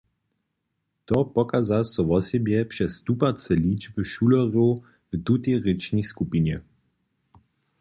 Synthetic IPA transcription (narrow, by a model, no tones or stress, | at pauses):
t̪ɔpɔkazasɔʋɔsɛbjɛpʂɛst̪upat͡sɛliːd͡ʒbɨʃulɔʁow | vt̪ut̪ɛʁɪt͡ʃniskupinjɛ